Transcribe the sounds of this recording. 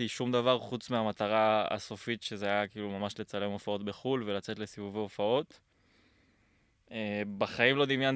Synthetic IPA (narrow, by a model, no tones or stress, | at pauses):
iʃumd̪avaʁχut͡smeamat̪aʁaa̰so̞fit̪ʃe̞zeajakiːlumamaʃle̞t͡sale̞mo̞fao̞t̪be̞χulve̞lat͡se̞t̪le̞sivuveofao̞t̪ | ebaχajimlo̞d̪imjan